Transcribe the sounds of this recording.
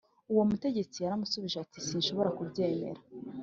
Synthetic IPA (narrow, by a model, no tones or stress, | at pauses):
uwo̞mute̞ɟe̞t͡sijaɾamusuβiʒeatisiːnʃo̞βo̞ɾakubɟeːme̞̰ɾa